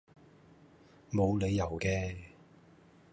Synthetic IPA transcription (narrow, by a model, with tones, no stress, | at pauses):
mo˨˧wle˨˧jːɐ˨˩wkɛː˧